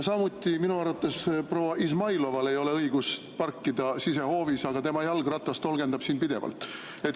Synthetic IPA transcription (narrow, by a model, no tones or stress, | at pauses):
sɑmut̪ʲːˑiminuɑrvɑt̪ːˑespro̞ːwɑʔismɑjlo̞vɑle̞jo̞le̞ɤiɡ̥us | pɑrkːid̪̥ɑsise̞ho̞ːvisɑɡ̥ɑt̪e̞mɑjɑlɡ̥rɑt̪ːˑɑst̪o̞lɡe̞nd̪ɑb̥siːnpid̪̥e̞vɑ̰lt̪ːˑ | e̞t̪ˑ